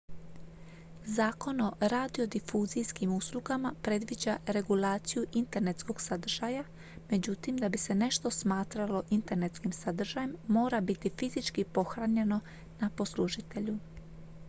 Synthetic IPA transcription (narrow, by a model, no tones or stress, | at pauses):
zaːko̞no̞ɾad̪io̞d̪ifuːzijskimuslˠuɡamapɾe̞d̪ʋid͡ʑaɾe̞ɡulaːt̪sijuʔint̪e̞ɾne̞t̪sko̞ɡ̥sad̪r̩ʒ̥aja | me̞d͡ʑut̪imd̪abise̞ne̞ʃt̪o̞smaːt̪ɾalo̞ʔint̪e̞ɾne̞t̪skimsad̪r̩ʒajemːo̞ːɾabit̪ifizit͡ʃkipo̞xɾaɲe̞no̞ | napo̞sluʒit̪e̞ʎu